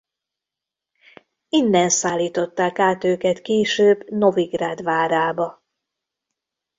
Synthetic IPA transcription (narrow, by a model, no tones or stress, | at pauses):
ind̪ɛnsaːlːiːt̪o̞t̪ːaːkaːt̪øːkɛt̪keːʃøːbno̞viɡɾaːd̪ʋaːɾaːbɒ